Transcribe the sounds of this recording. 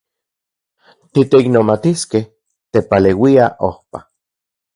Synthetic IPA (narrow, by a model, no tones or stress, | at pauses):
t̪it̪eiknomat̪iskeh | t̪epalewiaʔo̰hpa